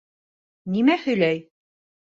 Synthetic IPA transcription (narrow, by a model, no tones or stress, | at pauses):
nimæhɵ̆jlæj